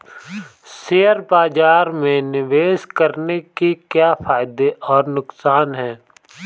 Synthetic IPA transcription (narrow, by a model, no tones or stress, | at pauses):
seːəɾbaːd͡ʒaːɾmẽnɪʋeːskəɾnekikjaːfʰaːɪd̪eʔɔːɾnʊksaːnɦɛ̃ː